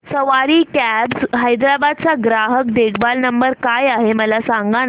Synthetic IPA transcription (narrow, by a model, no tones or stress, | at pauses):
səʋaɾiːkæbsɦajd̪ɾabad̪̚t͡saɡɾaɦək̚ɖ̪eɡbalnəmbəɾkajaɦeməlasaŋɡan